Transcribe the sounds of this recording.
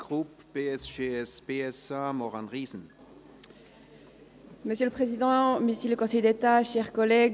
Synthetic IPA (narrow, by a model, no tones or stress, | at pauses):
ɡ̥ʁup | b̥eɛsʒeɛsb̥eɛsamɔʁanʁiːzn̩ | məsjøləpχezid̪ɑ̃misiləkɔ̃sɛjd̪et̪aʃɛʁkɔlɛɡ